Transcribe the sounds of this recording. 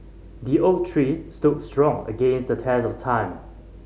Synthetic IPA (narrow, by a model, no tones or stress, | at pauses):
diotʰɹistud̚stɹɔ̃ŋə̰ɡẽnsdətʰɛsɔftʰãɪ̃m